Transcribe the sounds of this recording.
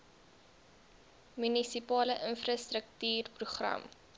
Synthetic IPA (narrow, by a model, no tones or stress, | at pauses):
mynisipɑːləʔənfrɑstrək̚tyːrpruχrɐ̰m